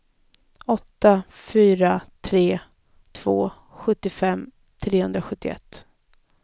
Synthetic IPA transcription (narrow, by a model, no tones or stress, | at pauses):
ɔt̪ːafyːɾat̪ʰɾeː | t̪ʰv̥oː | ɧɵt̪ːɪfɛmː | t̪ʰɾeːhɵnd̪ɾaɧɵt̪ːɪ̰ɛ̰t̪ː